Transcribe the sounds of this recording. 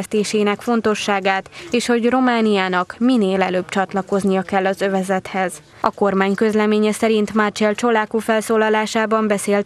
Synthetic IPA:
st̪eːʃeːnɛkfo̞n̪t̪o̞ʃːaːɡaːt̪eːʃho̞ɟro̞maːnijaːnɒkmineːlɛløːbt͡ʃɒt̪lɒko̞znijɒkɛlːɒzø̞vɛzɛt̪hɛz | ɒko̞rmaːɲkø̞zlɛmeːɲɛsɛɾint̪mart͡ʃɛlt͡ʃo̞laːkufɛlsoːlɒlaːʃaːbɒmbɛseːlt̪

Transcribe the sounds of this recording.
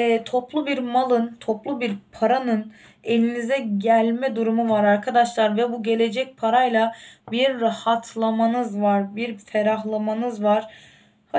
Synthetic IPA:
ɛt̪ʰo̞plˠubiɾmalˠɯnt̪ʰoplˠubiɾpʰaɾanɯn | e̞lʲinizɛɟælʲmɛd̪uɾumuvaɾaɾkʰad̪aʃlˠaɾvɛbuɟe̞lʲe̞d͡ʒɛc̚pʰaɾajlˠabiɾːahat̪ʰlˠamanɯzvaɾbiɾfɛɾaɦlˠamanɯzvaɾ̥ | ha

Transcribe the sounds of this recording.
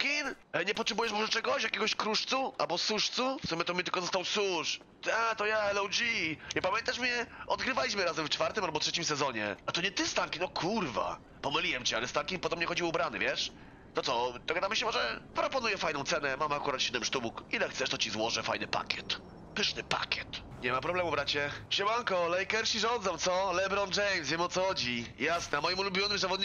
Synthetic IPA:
kʲin | ɲɛpɔtʂɛbujɛʂmɔʐɛt͡ʂɛɡɔɕjakʲɛɡɔɕkɾuʂt̪suʔa̰lbɔsuʂt̪sufsumʲɛt̪ɔmʲɛt̪ɘlkɔzɔst̪awsuʂ | t̪at̪ɔjaɛlɔwd͡ʑiɲɛpamʲjɛnt̪aʂmʲɲɛʔɔd̪̚ɡɾɘvalʲiɕmɘɾazɛmft͡ʂfaɾt̪ɘmalbɔtʂɛt͡ɕimsɛzɔɲɛ̰at̪ɔɲɛt̪ɘst̪aŋkʲinɔkʰuɾva̰ | pɔmɘlʲiwɛmt͡ɕɛalɛst̪ankʲinpɔd̪ɔbmɲɛxɔd͡ʑiwubɾanɛ̰vʲjɛʂ | t̪ɔt̪sɔd̪̥ɔɡad̪amɘɕɛmɔʐɛpɾɔpɔnujɛfajnɔ̃wt̪sɛnɛmamakuɾat̪ɕɛd̪ɛmʂt̪ubukilɛxt̪sɛʂt̪ɔt͡ɕizwɔʐɛfa̰jnɘpa̰kʲɛt̪ | pɘʂnɘpa̰kʲjɛt̪ | ɲɛmapɾɔblɛmubɾat͡ɕɛɕɛbaŋkɔlɛjkɛɾɕiʐɔnd̪zɔ̃w̃t̪sɔlɛbɾɔnd͡ʐɛjmsvjɛmɔt̪sɔxɔd͡ʑijasnɛamɔjimulubʲjɔnɘmzavɔd̪ɲi

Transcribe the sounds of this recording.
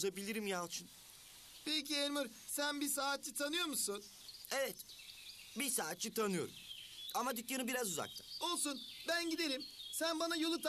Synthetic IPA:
zabilʲiɾimjalˠt͡ʃʰɯn | pecielʲmuɾ | sænbisaːt̪t͡ʃit̪ʰanɯjo̞ɾmusun | evɛt̪ | bisaːt̪̚t͡ʃit̪ʰanɯjo̞̰ɾṵmamad̪ycjanɯbiɾazuza̰k̚t̪ʰḁo̞lˠsunbænɟid̪e̞ɾimsænbanajolˠɯt̪ʰ

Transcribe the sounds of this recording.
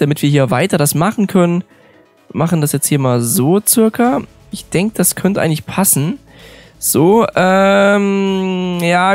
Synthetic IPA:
d̥amɪtv̥iːɦiːɐvaɪtɐɾasmaχn̩kʰœnən | maχn̩dasjɛt͡sthiːɐmaːlzoːt͡sɪɐkʰɐ | ʔɪçd̥ɛŋkəd̥askʰœntəʔaɪɡŋɪçpʰasn̩ | z̥oːʔɛːm | jaː

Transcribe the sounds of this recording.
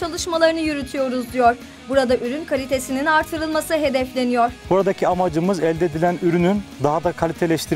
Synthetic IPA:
t͡ʃʰalˠɯʃmalˠaɾɯnɯjyɾyt̪ʰyjo̞ɾuzd̪ijoɾ | buɾad̪aʔyɾynkʰalʲit̪ʰe̞sininaɾt̪ʰɯɾɯlˠmasɯɦe̞d̪ɛflʲe̞nijoɾ̥buɾad̪acʰiamad͡ʒɯmɯzɛlʲd̪ed̪ilʲænyɾynynd̪aɦad̪akʰalʲit̪ʰelʲɛʃt̪ʰiɾ

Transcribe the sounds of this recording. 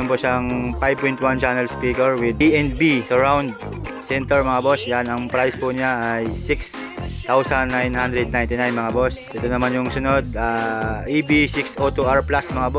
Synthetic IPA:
mpoʔʃaʔɐŋpajb̚pojnt̪̚want͡ʃanɛlspiːkɛɹwɪd̪̚iɛnbisɐɹawnd̪̚sɛnt̪ɛɹmɐŋabosjanɐŋpɾajspʊnɪaʔajsɪks | t̪awsɐnːajnhand̪ɾɛd̪̚najnt̪ɪnajnmɐŋabosʔɛt̪onɐmanjʊŋsʊnod̪̚aːʔibisiksʔot̪uʔaɹplasmɐŋabo

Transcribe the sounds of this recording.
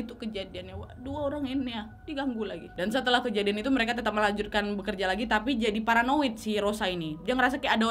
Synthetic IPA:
it̪ukəd͡ʒadianjawaduaoɾaŋinja | diɡaŋɡulaɡidansət̪əlahkəd͡ʒadianit̪uməɾekat̪ət̪ap̚məlaɲd͡ʒut̪̚kanbəkərd͡ʒalaɡit̪apid͡ʒadipaɾanowit̪̚sɪhɾosainid͡ʒaŋɾas̬akajada

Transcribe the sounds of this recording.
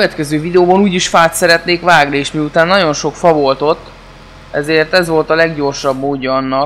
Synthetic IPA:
øvɛt̪kɛzøːvid̪ɛoːbɒnuːɟiʃfaːt̪sɛɾɛt̪neːkʋvaːɡnieːʃmiut̪aːnːɒɟo̞nʃo̞kfɒvo̞lt̪o̞t̪ː | ɛ̰zeːrt̪ɛzʋo̞lt̪ɒlɛɡɟo̞rʃɒbmoːɟːɒːnːɒ

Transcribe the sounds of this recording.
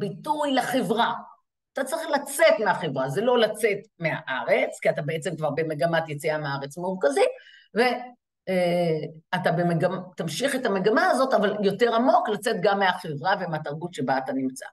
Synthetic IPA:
bitujlaχevʁa | at̪at͡sʁiχlat͡se̞tmeaχevʁazelo̞lat͡se̞tmeaʔaʁe̞t͡skiatabeet͡semkvaʁbe̞me̞ɡamat̪jet͡siameaaʁet͡smuʁkazi | ve̞ | at̪abe̞meɡamt̪amʃiχetameɡamaazo̞tavaljo̞te̞ʁamo̞klat͡se̞tɡamːeaχevʁavemeataʁɡut̪ʃe̞baːtanimt͡sa̰

